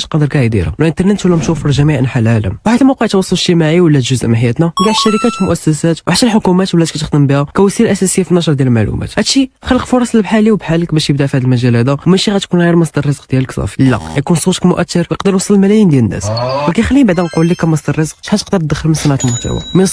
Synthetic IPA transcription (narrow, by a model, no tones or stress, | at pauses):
ʃqɑd̪əɾkæʕd̪ḭɾæ̰wlʔənt̪əɾˤnət̪wəlːæmʃufʒæmiʕʔnħalʕalə̰mwħat̪ːæmoqəʕt̪wɑsˤːɑlʃt̪əmaʕiwəlːæt̪ʒʊzʔmħəjːæt̪næɡ̪aʕʃːæɾəkæt̪wmʊʔæsːæsæt̪wħat̪ːælħʊkumæt̪wəlːækæt̪əxd̪əmbihækæwæsˤilʔæsæsəjːafinːɑʃ̬ɾˤd̪jælmaʕlṵmæ̰t̪hæd̪ʃixəlːəqfʊɾˤɑsˤlbħaliwbħaləkbæʃjəbd̪afihæd̪əlmæʒælæd̪æwmæʃiɣæt̪kunɣiɾmɑsd̪ɑrˤːəzəqd̪jæləksˤɑ̰flːæ̰jækunsˤut̪əkmʊʔæt̪ːəɾwjəqd̪əɾwɑsˤəllmælæjənd̪jælənːæ̰swəkæjxælːibaʕd̪æqulːikæmɑsd̪ɑrˤəzəq̚ʃħat̪əqd̪əɾ̚d̪əxːəlmənsænʕat̪lmʊħt̪æ̰wa̰mən